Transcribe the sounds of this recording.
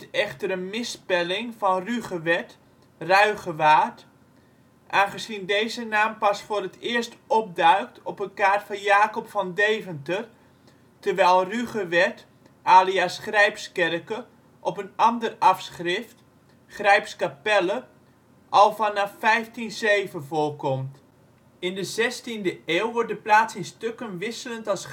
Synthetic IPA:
ɛxtəɾənmɪspɛlɪŋfɑnryχəʋɛt | rœɥɣəʋaːrt | ʔaːnχəsindejzənaːmpɑsfʊrətʰɪːərstɔp̚dœɥk̚tʰɔpənkaːrtfɑnjaːkɔpfɑndejvəntər | tərʋɛjlˠryχəʋɛt | ʔaːliasχrɛjpskɛrkə | ʔɔpənɑndərɑfsχrɪft | χrɛjpskapɛlə | ʔɑlˠfɑnɑfːɛjftinzejvəvʊːlkɔmt | ɪndəzɛstindəeːwʋɔɹt̚dəplaːsɪnstøkənʋɪsələntɑlˠs

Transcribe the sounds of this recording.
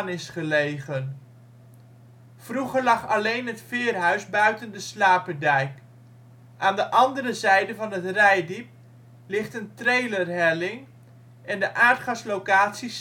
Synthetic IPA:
nɪsχəlejχən | fruχəɹlɑχɑlejnɦətfɪːrɦœɥzbœɥtəndəslaːpədɛjk | ʔaːndəʔɑndərəzɛjdəvɑnətrɛjdip̚ | lɪχtəntrejlərɦɛlɪŋ | ʔɛndəʔaːɹtχɑslokaːtsis

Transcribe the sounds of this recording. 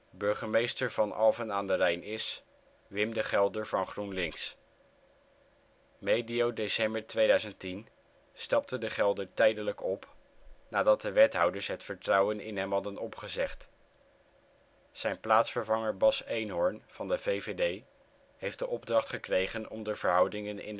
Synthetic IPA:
bɵɹχəɹmejstəɹv̥ɑnɑ̰lˠvənaːndərɛjnɪs | ʋɪmdəχɛlˠdəɹvɑnχrunlɪŋs | mejdiowdesɛmbəɹtʋejdœɥzəntin | stɑp̚tədəχɛlˠdəɹtɛjdələkɔp | naːdɑt̚dəʋɛtɦʌwdəɹsɦətfəɹtrɑwənɪ̰nɦɛmɦɑdənɔpχəzɛχt | z̥ɛjnplaːtsfəɹvɑŋəɹbɑsejnɦɔɹnv̥ɑndəvejvedej | ɦejfd̥əʔɔb̚drɑχtχəkrejχənɔmdəv̥əɹɦʌwdɪŋənɪ̰n

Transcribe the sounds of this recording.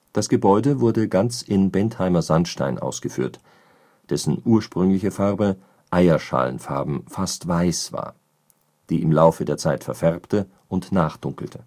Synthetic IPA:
d̥asɡ̥əbɔʏdəvʊɐdəɡant͡sɪnbɛnthaɪmɐzanʃta̰ɪnʔa̰ʊsɡ̥əfy̰ːɐt | d̥ɛsn̩ʔuːɐʃpʁ̥ʏŋlɪçəfaʁbə | ʔaɪɐʃa̰ːlənfa̰ɐbm̩fastv̥aɪsv̥a̰ːɐ | d̥iːɪmlaʊfədeːɐt͡saɪtfɛɐfɛʁptə | ʔʊntnaːχd̥ʊŋkl̩tʰə̥

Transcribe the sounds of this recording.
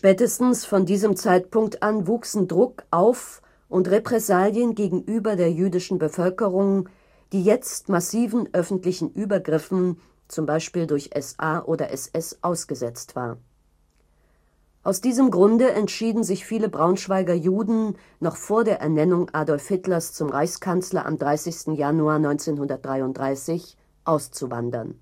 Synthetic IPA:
ʃpɛːtəstn̩sfɔndiːzəmt͡saɪtpʊŋk̚tʔanvuːksn̩dʁʊkʔaʊf | ʔʊntʁepʁ̥ɛsaːljənɡeːɡŋ̩ʔyːbɐdeːɐjyːdɪʃn̩bəfœlkəʁʊŋ | d̥iːjɛt͡stmasiːvn̩ʔœfn̩tlɪçn̩ʔyːbɐɡʁɪfn̩ | t͡sʊmbaɪʃpiːldʊɐçʔɛsʔaːʔoːdɐʔɛsɛsʔaʊsɡ̥əzɛt͡stv̥a̰ːɐ | ʔaʊsd̥iːzəmɡʁʊndəʔɛntʃiːdn̩zɪçfiːləbʁaʊnʃv̥aɪɡɐjuːdn̩ | nɔχfoːɐdeːɐʔɛɐnɛnʊŋʔaːdɔlfɪtlɐst͡sʊmʁaɪçskʰant͡slɐ̰ʔa̰mdʁaɪsɪçstn̩januaːɐnɔʏnt͡seːnɦʊndɐt̚d̥ʁaɪʊntd̥ʁaɪsɪç | ʔaʊst͡suva̰ndɐ̰n

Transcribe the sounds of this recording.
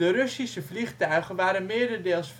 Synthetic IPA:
ərɵsisəvliχtœɥχənʋaːɾənmɪːɹdəɹdeːlˠsf

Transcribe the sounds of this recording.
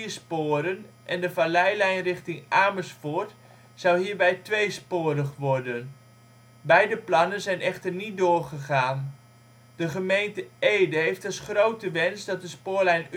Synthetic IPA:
ispoːɾən | ʔɛndəfalɛjlɛjnrɪχtɪŋʔaːməsfʊːɹt | z̥ɑwɦiːɹbɛjtʋejspoːrəχʋɔrdən | bɛjdəplɑnənzɛjnɛχtərnit̚doːrχəχaːn | d̥əχəmejntəejdəɦejftɑsχrowtəʋɛnsdɑt̚dəspoːlɛjn

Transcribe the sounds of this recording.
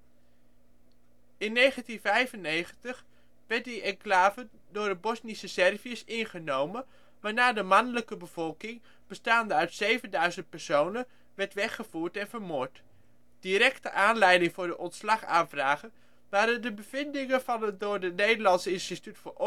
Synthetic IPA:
ɪnːejχəntinvɛjvənejχəntəχ | ʋɛɹt̚diɛŋklaːvə | dʊːɹdəbɔsnisəsɛrviəsɪnχənowmə | ʋaːɹnaːdəmɑnələkəbəv̥ɔlˠkɪŋ | b̥əstaːndəœɥtsejvəndœɥzənt̚pɛɹsownən | ʋɛɹtʋɛχəv̥uːɹtɛnvəɹmʊːɹt | d̥iɾɛktəʔaːnlɛjdɪŋvʊːɹdəʔɔntslɑχaːnvraːχən | ʋaːɾəndəbəvɪndɪŋəvɑnədʊːɹdənejdəɹlɑnsəɪnstitytfəʔ

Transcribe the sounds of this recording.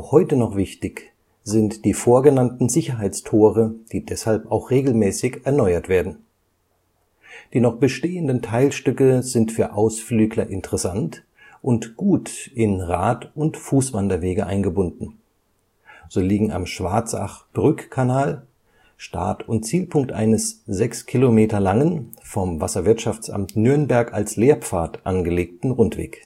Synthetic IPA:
axhɔʏtənɔχv̥ɪçtɪç | z̥ɪntd̥iːfoːɐɡənantn̩zɪçɐɦaɪt͡stʰoːʁəd̥iːdɛshalpaʊxʁ̥eːɡl̩mɛːsɪçɛɐnɔʏɐtv̥eːɐdn̩ | d̥iːnɔχb̥əʃteːəndəntʰaɪlʃtʏkəzɪntfyːɐʔaʊsflyːɡlɐʔɪntʰəʁɛsant | ʔʊntɡ̥uːtɪnʁaːtʊntfuːsv̥andɐveːɡəʔaɪnɡəbʊndn̩ | z̥oːliːɡŋ̩a̰mʃv̥aɐt͡sa̰χb̥ʁʏkkʰːanaːl | ʃta̰ɐtʊntt͡siːlpʰʊŋk̚tʔa̰ɪnəszɛkskʰilomeːtɐlaŋənfɔmva̰sɐvɪɐtʃaft͡sʔa̰mtnʏɐnbɛɐka̰lsleːɐp͡faːɐtʔa̰nɡəleːk̚tn̩ʁʊntv̥ḛːk

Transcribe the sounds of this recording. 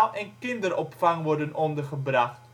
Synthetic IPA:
lʔɛnkɪndəɾɔpfɑŋʋɔɹdənʔɔndərχəbrɑχt

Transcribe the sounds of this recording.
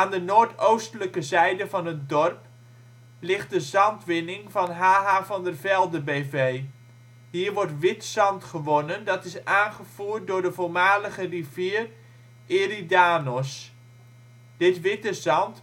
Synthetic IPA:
aːndənoːɹtowstələkəzɛjdəvɑnɦət̚dɔrp | lɪχt̚dəzɑntʋɪnɪŋvɑnɦaːɦaːvɑndərvɛlˠdəbeːveːj | ɦiːɹʋɔɹtʋɪtsɑntχəʋonəndɑtɪsaːnχəv̥uːrt̚dʊːɹdəvolˠmaːləχəriviːər | eridaːnɔs | d̥ɪtʋɪtəzɑnt

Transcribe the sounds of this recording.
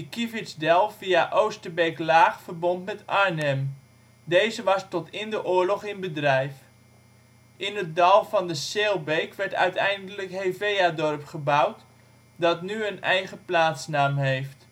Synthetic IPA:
əkivɪtsdɛlˠviaʔowstəbejklaːχfərbɔntmɛtʔaɹnɛm | dejzəʋɑstɔtɪndəʔʊːɹlɔχɪnbədrɛjf | ɪnət̚dɑlˠvɑndəseːlˠbejkʋɛɹtœ̰ɥtɛjndələkhejvejadɔrpχəbawt | dɑtnyənɛjχəplaːtsnaːmɦejft

